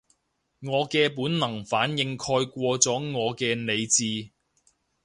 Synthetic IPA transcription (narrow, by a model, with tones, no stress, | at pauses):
ŋɔː˨˧kɛː˧puː˨˥nnɐ˨˩ŋfaː˨˥njɪ˧ŋkʰɔː˧jkʷɔː˧t͡sɔː˨˥ŋɔː˨˧kɛː˧ne˨˧jt͡siː˧